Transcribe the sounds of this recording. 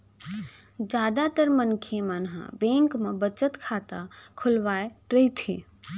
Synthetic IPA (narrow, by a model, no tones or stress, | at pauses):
d͡ʒaːd̪at̪əɾmənkʰemənɦã̰bẽːŋkmẽbət͡ʃət̪kʰaːt̪akʰʊlʋaːeɾəɦit̪ʰḭː